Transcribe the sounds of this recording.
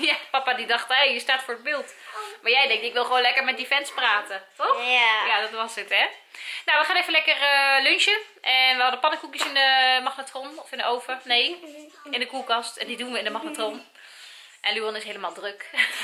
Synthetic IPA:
japapadidɑxthejjəstaːtfoːɹəd̚bɪlˠtmaɹjɛjdɛŋtɪkʋɪlˠxʋoːnlɛkəɹmɛt̚difɛnspraːtətɔxjadɔtʋɔsdɪtɛnoʋəχaːnejvənlɛkərəlønʃjə | ʔɛnʋəhɑdəpɑnəkukjəsɪndəmaxnatrɔnɔfɪndəʔowfənej | ɪndəkuːkɑstɛndidunʋəɪndəmaxnatrɔn | ʔɛnlyɔnɪsɦejləmaːlˠdrøk

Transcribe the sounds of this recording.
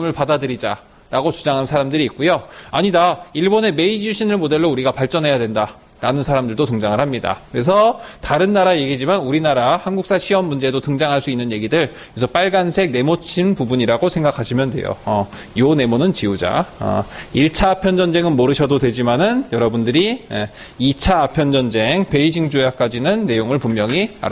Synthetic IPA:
mɯɭpadadɯɾid͡ʑa | ɾaɡot͡ɕud͡ʑaŋɦansʰaɾamdɯɾiːk̚k͈ujoaɲidaiɭbone̞me̞id͡ʑuɕʰinɯɭmode̞ɭːouɾiɡapaɭt͡ɕ͈ʌnɦe̞jadwe̞nda | ɾanɯnsʰaɾamdɯɭdotɯŋd͡ʑaŋɯɭhamɲida̰kɯɾe̞s̬ʰʌtaɾɯnːaɾaje̞ɡid͡ʑimanuɾinaɾahanɡuk̚s͈aɕʰiwʌmːund͡ʑedotɯŋd͡ʑaŋɦaɭs͈uinːɯnje̞ɡidɯɭ | ksʰʌp͈aɭɡansʰe̞k̚ne̞mot͡ɕʰinpubuɲiɾaɡosʰe̞ŋɡakʰaɕʰimjʌndwe̞̰jo̰ʌ | jone̞monɯnt͡ɕiud͡ʑa̰ʌ̰iɭt͡ɕʰaːpʰjʌnd͡ʑʌnd͡ʑe̞ŋɯnmoɾɯɕʰʌdodwe̞d͡ʑimanɯnjʌɾʌbundɯɾie | it͡ɕʰaːpʰjʌnd͡ʑʌnd͡ʑe̞ŋpe̞id͡ʑiŋd͡ʑojak͈̚ad͡ʑinɯnːe̞joŋɯɭpummːjʌŋia̰ɾ

